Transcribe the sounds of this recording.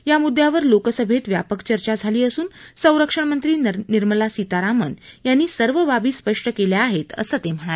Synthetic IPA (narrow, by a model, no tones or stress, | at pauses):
jamud̪ʱjaʋəɾlokəsəbʱet̪ʋja̰pəkt͡ɕəɾt͡ɕad͡zʱaliːəsuːnsə̃w̃ɾəkʂəɳmənt̪ɾiːniɾməlasit̪aɾamənjanːiːsəɾʋəbabiːspəʂʈəkeljaːɦet̪ə̰səːt̪em̤əɽ̃ale